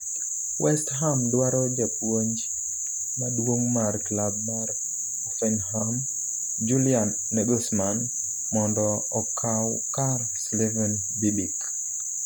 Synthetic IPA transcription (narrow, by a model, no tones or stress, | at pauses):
wʔɛstɦamdwaɾɔd͡ʒapwoɲd͡ʒ | madwoŋmarklab̚mar | ɔfɛnɦam | d͡ʒulianːɛɡɔsman | mɔndɔ | ɔkʰaw | kar | slivɛn | bibik